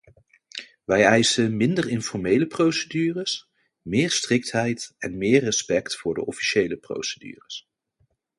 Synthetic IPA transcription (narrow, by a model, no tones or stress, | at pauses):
ʋɛjɛjsənmɪndərɪnfɔɹmejləprowsədyːrəs | mɪːɹstrɪk̚tɦɛjtɛnmɪːɹrəspɛktfʊːɹdə̰ʔɔfi̥ʃejləpro̰wsədy̰ːrəs